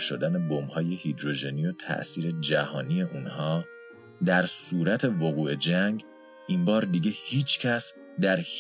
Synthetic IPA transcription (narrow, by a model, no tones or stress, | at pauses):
ʃo̞̰d̪æne̞bomhɒːje̞hid̪ɾo̞ʒenijo̞t̪ʰæ̰ʔsiːɾe̞d͡ʒæhɒːnije̞ʔuːnhɒː | d̪æɾsuːɾæt̪ʰe̞voɣuːe̞d͡ʒæŋɟ | inbɒːɾd̪iɟehiːt͡ʃʰcʰæs | d̪æɾh